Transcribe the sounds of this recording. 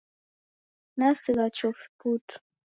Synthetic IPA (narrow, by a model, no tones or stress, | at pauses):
nasiɣat͡ʃɔfi̥putu̥